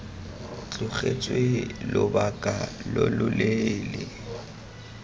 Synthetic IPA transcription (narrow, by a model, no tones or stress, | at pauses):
t͡ɬʼʊχet͡sʼwelʊbakʼalolʊlelɪ